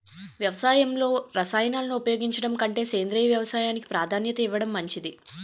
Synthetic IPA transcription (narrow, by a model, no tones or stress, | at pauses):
ʋjɐʋɐsaːjɐmlo̞ːɾɐsaːjɐnaːlɐnuupɐjo̞ːɡiɲt͡ʃɐɽɐmkɐɳʈe̞ːse̞ːnd̪ɾiːjɐʋjɐʋɐsaːjaːniki̥pɾaːd̪ʱaːnjɐt̪ɐiʋːɐɽɐmːɐɲt͡ʃid̪i